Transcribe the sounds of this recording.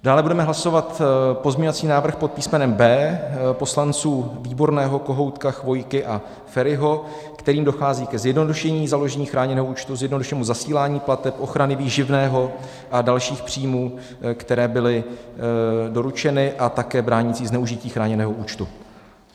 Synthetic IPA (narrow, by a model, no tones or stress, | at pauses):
d̥aːlɛbudɛmɛɦlaso̞vat̪pozmɲovat͡siːnaːvr̩xpot̪̚piːsmɛnɛmbɛːpo̞slant͡suːviːbo̞ɾnɛːɦo̞ko̞ɦo̞wt̪kaxvo̞jkɪʔa | fɛɾɪɦo̞ | kt̪ɛɾiːmdo̞xaːziːkɛzjɛdno̞duʃɛɲiːzalo̞ʒɛɲiːxɾaːɲɛnɛːɦouːt͡ʃt̪uzjɛdno̞duʃɛːmuzasiːlaːɲiːplat̪ɛpʔo̞xɾanɪviːʒɪvnɛːɦo̞ | ʔadalʃiːxpr̝̥iːmuː | kt̪ɛɾɛːbɪlɪ | do̞ɾut͡ʃɛnɪʔat̪akɛːbɾaːɲɪt͡siːznɛuʒɪciːxɾaːɲɛnɛːɦo̞ʔuːt͡ʃt̪u